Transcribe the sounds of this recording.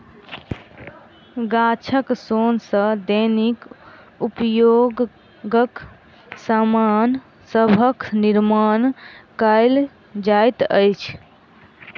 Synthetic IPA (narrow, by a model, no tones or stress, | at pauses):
ɡat͡ʃʰəksonsə̃d̪ənik | upjoɡ | ɡək | saman | səbʱəkniɾmankəjl | d͡ʒajt̪əjt͡ʃʰ